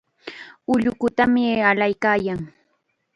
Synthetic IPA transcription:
ʊʎʊkʊt̪amɪalajkaːjaŋ

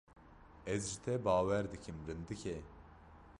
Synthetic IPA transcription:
ɛzʒit̪ʰɛbaːwɛɾd̪ɨkʰɨmɾɨnd̪ɨkʰɛ

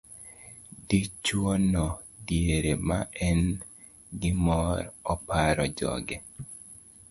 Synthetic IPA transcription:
dit͡ʃwonɔ | djeɾemaɛn | ɡɪmɔɾɔpaɾɔd͡ʒɔ̰ɡɛ

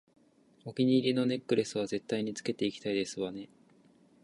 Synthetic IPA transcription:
o̞kʲiɲ̟iːɾʲino̞ne̞kːɯ̟ɾe̞sɨβ̞aze̞t̪ːaiɲ̟it͡sɨ̥ke̞t̪e̞ikʲi̥t̪aid̪e̞sɨβane̞

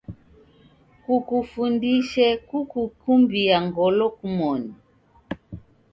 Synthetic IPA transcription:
kukufundiʃɛkukukumbijaŋɡɔlɔkumɔni

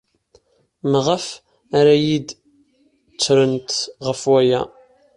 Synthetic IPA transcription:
məʁəf | aɾæjid̪ | t͡sːɾənt̪ʁəfwæjæ̰

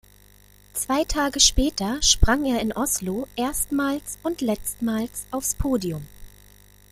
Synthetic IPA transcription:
t͡sv̥aɪtʰaːɡəʃpɛːtʰɐʃpʁ̥aŋeːɐɪnʔɔsloʔeːɐstmaːlsʊntlɛt͡stmaːlsʔaʊfspʰoːdiʊm

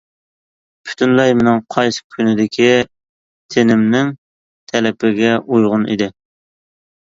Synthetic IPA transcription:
pʰy̥t̪ʰynlɛjmɪnɪŋqʰɑjsɨ̥kʲʰynɪd̪ɪkʲʰi | t̪ʰenɪmnɪŋ | t̪ʰɛlɛpɪɡʲɛʔujʁʊnḭd̪ɪ

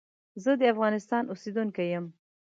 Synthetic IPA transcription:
zəd̪əafɣɑnɪst̪ɑnʔused̪uŋkajəm

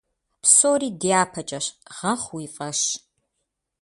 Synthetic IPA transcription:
psoːɾiːdijaːpʰɐt͡ʃʼɐɕʁɐχʷwiːfʼɐʃ

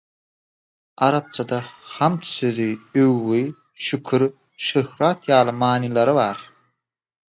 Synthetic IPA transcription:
ɑɾɑp̚t͡ʃʰɑd̪ɑhɑmt̪ʰθøðyøwːi | ʃykʰyɾ | ʃøhɾɑːt̪jɑːlˠɯmɑːnilˠɑɾɯβɑːɾ

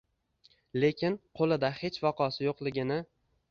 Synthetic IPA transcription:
le̞kʲɪnqʰolˠɪd̪ahe̞t͡ʃvɒqʰɒsɪjoqlˠɪɡʲɪnɪ

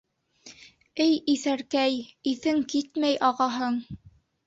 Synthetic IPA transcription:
ɘjiθæɾkæjiθɘŋkit̪mæjʔɑʁɑɦɤɴ

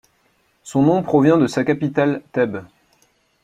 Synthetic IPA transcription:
sɔ̃nɔ̃pχɔvjɛ̃d̪əsakʲapit̪alt̪ɛb

